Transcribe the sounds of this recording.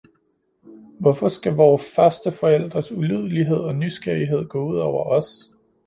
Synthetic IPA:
ʋɒ̽fɒ̽sɡ̥æʋɒːfɶɐsd̥əfɒ̽el̰d̥ʁɐsulyð̞̰ˠəliɦe̝ð̞̰ˠɒ̽nysɡ̥ɐ̰iɦe̝ð̞̰ˠɡ̥ɔ̰̽ːuð̞̰ˠɒʊ̰ɐʔɒ̽s

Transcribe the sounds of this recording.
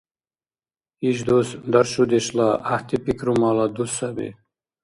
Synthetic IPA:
iʃd̪osnd̪aɾʃud̪eɕlaaht̪ipikɾumɑːlad̪usabḭ

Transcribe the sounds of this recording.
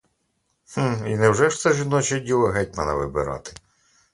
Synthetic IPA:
h̩inɛwʐɛʂt̪ɛʒɪnɔt͡ʃɐdʲilˠɐɦɛtʲmɐnɐ̰ʋɪ̰bɪ̰ɾɑ̰t̪ɪ̥

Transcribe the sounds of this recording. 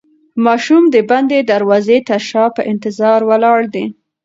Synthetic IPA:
mɑʃumd̪əband̪ed̪aɾwɑzet̪aʃɑpəʔɪnt̪ɪzɑɾwəlɑɽd̪i

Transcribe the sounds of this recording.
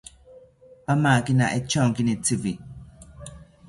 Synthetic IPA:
pamaːkina̰ʔet͡ʃɔŋkinit͡sivi

